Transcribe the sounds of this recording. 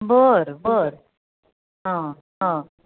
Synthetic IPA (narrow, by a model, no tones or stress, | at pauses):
bəɾbəɾ | ɦã | ɦã